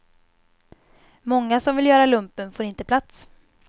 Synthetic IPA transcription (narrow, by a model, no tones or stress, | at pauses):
mɔŋːasɔmvɪljœːɾalɵmpənfoːɾɪnt̪əpʰlat̪s